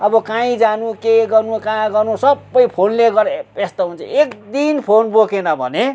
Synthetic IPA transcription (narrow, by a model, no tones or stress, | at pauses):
ʌbʌkãĩd͡zanukeɡʌrnukãɡʌrnusʌbːʌjpʰonleɡʌɾest̪oɦunt͡sʰʌ̰ekd̪inpʰonbokenʌbʱʌ̰ne